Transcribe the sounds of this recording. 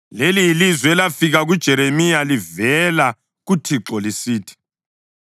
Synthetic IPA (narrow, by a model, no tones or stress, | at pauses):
lelijilizwɛlafiɣaɣud̥ʒ̥ʱɛɾemijalivɛla | ɣutʰiǁɔlisiːtʰi̥